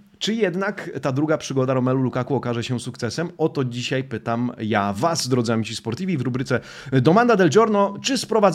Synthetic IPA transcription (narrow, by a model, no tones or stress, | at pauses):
t͡ʂɘjɛd̪nakt̪ad̪ɾuɡapʂɘɡɔd̪aɾɔmɛlulukakuɔkaʐɛɕɛsukt̪sɛsɛmɔt̪ɔd͡ʑiɕajpɘt̪amjavazːd̪ɾɔd̪zamʲit͡ɕispɔɾt̪ʲivʲivɾubɾɘt̪sɛ | d̪ɔmand̪ad̪ɛld͡ʑɔɾnɔt͡ʂɘspɾɔvad̪z